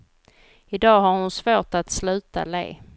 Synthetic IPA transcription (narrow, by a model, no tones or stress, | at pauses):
ɪd̪ɑːɦaɾhʊnsvoːʈat̪slʉ̟ːt̪a̰lḛː